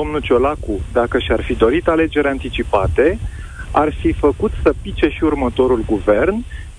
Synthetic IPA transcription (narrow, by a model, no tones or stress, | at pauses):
o̞mnut͡ʃo̞lakud̪akəʃiarfid̪o̞ɾit̪ale̞d͡ʒe̞ɾʲant̪it͡ʃipat̪e̞ | arfifəkut̪səpit͡ʃe̞ʃiurmət̪o̞ɾulɡuve̞rn